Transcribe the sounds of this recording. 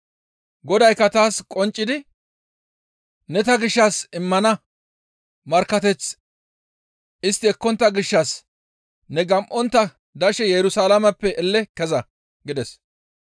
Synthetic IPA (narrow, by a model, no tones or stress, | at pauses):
ɡɔd̪ɐjkːɐt̪aːskʼɔnt͡ʃʼːɪd̪ɪ | nɛt̪ɐɡɪʃːasɪmːɐnɐ | mɐɾkːɐt̪ɛt͡s | ɪst̪ːɪɛkːɔnt̪ːɐɡɪʃːɐs | nɛɡɐmʔɔnt̪ːɐ | d̪ɐʃɛjɛɾʊsalɐmɐpːɛʔɛlːɛkɛzɐ | ɡɪd̪ɛs